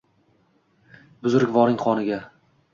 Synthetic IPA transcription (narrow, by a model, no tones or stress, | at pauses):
bʊzʊɾɪkʲvɒɾɪŋqʰɒnɪɡʲa